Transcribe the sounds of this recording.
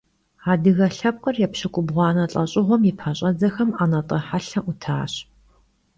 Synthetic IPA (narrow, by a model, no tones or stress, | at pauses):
aːdɨɣɐɬɐp̚qɐrjɛpɕɨkʷʼʊbʁʷɑːnɐɬʼɐɕʼɪʁʷɔmjɪpʰɐɕʼɐzɐxɐmaːnɐtʼɐħaɬɐʔʊtʰaːɕ